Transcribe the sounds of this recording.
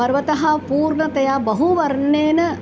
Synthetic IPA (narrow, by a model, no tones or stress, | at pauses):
ɐɾʋɐt̪ɐɦɐpuːɾɳɐt̪ɐjaːbɐɦuʋɐɾɳeːnɐ